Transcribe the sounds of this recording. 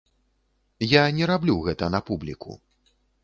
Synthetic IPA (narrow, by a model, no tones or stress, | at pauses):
janʲɛɾablʲuɣɛt̪ɐnɐpublʲikṵ